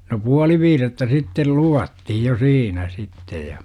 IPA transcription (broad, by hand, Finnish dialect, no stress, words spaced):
no puɑli ʋiːretːæ sitːel luʋɑtːihij jo siːnæ sitːej jɑ